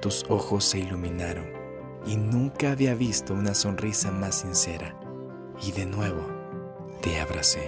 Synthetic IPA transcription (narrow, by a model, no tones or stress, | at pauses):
t̪uso̞xo̞sːe̞ilumĩnaɾo̞n | inũŋkaːβiaβist̪o̞unaso̞nrisamasːinse̞ɾa̰ | iðe̞nweβo | d̪̥eaβɾase